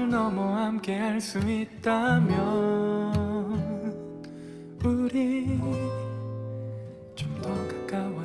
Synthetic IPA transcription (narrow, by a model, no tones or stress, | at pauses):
ɭnʌmuhamke̞ɦaɭs͈uit̚t͈amjʌ | n | uɾi | t͡ɕomdʌkak͈awa